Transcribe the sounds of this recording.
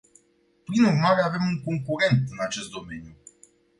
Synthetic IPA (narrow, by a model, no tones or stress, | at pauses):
pɾinurmaɾeavemuŋkoŋkuɾɛnt̪ɨnat͡ʃest̪̚d̪omenju